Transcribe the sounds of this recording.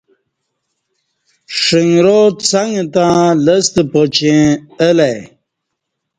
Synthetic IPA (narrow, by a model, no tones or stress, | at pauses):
ʂiŋɡɾot͡saŋɡt̪ãləst̪əpot͡ɕẽəlaj